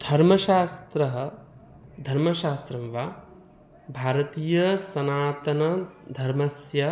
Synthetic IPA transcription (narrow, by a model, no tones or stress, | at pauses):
d̪ʱɐɾmɐʃaːst̪ɾɐɦɐ | d̪ʱɐɾmɐʃaːst̪ɾɐmʋa | bʱaːɾɐt̪iːjɐsɐnaːt̪ɐnɐd̪ʱɐɾmɐsjɐ